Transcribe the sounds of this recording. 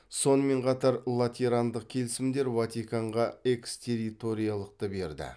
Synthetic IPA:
so̞nəme̞ɴqʰɑt̪ɑɾlˠat̪ʲiɾand̪əq̚kʲʰe̞lɪsɪmd̪e̞ɾvat̪ijkaɴʁɑe̞kst̪ʲʰe̞ɾit̪o̞ɾijalˠəq̚t̪əbe̞ɾd̪ɪ̰

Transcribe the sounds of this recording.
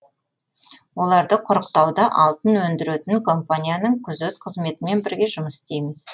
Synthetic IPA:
wo̞lˠɑɾd̪əqʰʊɾəqt̪ɑwd̪ɑʔɑlˠt̪ənwɵnd̪ɪɾet̪ɪŋkʰo̞mpanʲijanəɴkʲʰʏzɵt̪qʰəzme̞t̪ɪme̞nbɪɾɡʲe̞ʒʊməsɪ̥st̪e̞jmɪz̥

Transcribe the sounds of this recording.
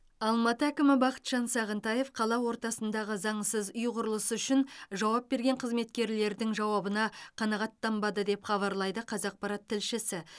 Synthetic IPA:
ɑlˠmɑt̪əækʲɪmɪbɑqət̪ʒ̥ɑnsɑʁənt̪ɑje̞fqʰɑlˠɑwo̞ɾt̪ɑsənd̪ɑʁəzɑɴsəzʊjqʰʊɾəlˠəsəʏʃɪnʒɑwɑp̚be̞ɾɡʲeɴqʰəzme̞t̪kʲe̞ɾle̞ɾd̪ɪŋʒɑwɑbənɑqʰɑnɑʁɑt̪ːɑmbɑd̪əd̪e̞pχɑβɑɾlˠɑjd̪əqʰɑzɑq̚pɑɾɑt̪ʰːɪlʃɪsɪ

